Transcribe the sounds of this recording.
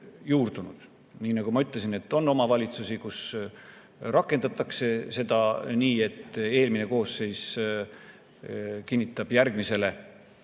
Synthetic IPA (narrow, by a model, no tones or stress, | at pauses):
juːrd̪̥unud̪̥ | niːnɑɡ̥umɑyt̪lesine̞t̪ːˑo̞nːo̞mɑvɑlʲit̪susikus | rɑkːˑe̞nd̪̥ɑt̪ːˑɑkse̞se̞d̪̥ɑniːe̞t̪ːe̞ːlmine̞ko̞ːsːe̞js | kinʲːit̪ːˑɑb̥jærɡ̥mise̞le̞